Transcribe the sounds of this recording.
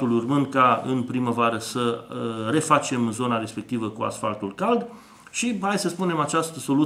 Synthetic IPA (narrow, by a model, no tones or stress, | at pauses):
ulurmɨnd̪̚kaɨ̰npɾiməvaɾəsəre̞fat͡ʃe̞mzo̞naɾe̞spe̞k̚t̪ivəkua̰sfa̰lt̪ulkald̪ | ʃihajsəspune̞mat͡ʃast̪əso̞lu